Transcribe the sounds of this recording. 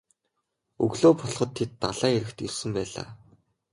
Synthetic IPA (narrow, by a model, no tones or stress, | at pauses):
ɵ̰ɣɮoːpʰɔɮχɞ̆t̪ʰːet̪ːaɮaːeɾɘ̆kt̪irsɵ̆mpæːɮa̰ː